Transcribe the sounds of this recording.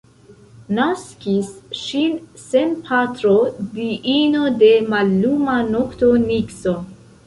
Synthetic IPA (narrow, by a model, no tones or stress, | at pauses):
naskisʃinsenpʰatɾodiʔino̞de̞malːumanoktonikso